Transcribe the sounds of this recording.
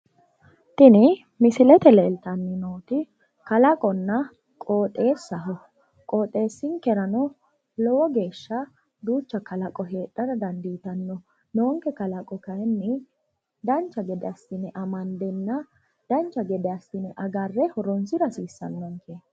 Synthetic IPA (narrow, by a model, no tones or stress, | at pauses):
t̪ɪnɪ | mɪsɪlɛt̪ɛlɛːlt̪ɐnːɪnoːt̪ɪ | kɐlɐkʼɔnːɐ | kʼoːt̪ʼːe̞ːsːɐɦɔ | kʼoːt̪ʼːe̞ːsːɪŋkɛɾɐnɔ | lɔwɔɡe̞ːʃːɐ | d̪uːt͡ʃːɐkɐlɐkʼɔɦe̞ːᶑːɐɾɐd̪ɐnd̪iːt̪ɐnːɔ | noɔŋkːɛkɐlɐkʼɔkɐjɛnːɪ | d̪ɐnt͡ʃːɐɡɛd̪ɛɐst̪ɪnɛʔɐmɐnd̪ɛnːɐ | d̪̥ɐnt͡ʃːɐɡɛd̪ɛɐst̪ɪnɛʔɐɡɐrːɛhɔɾɔnsɪɾɐsiːsːɐnːɐŋke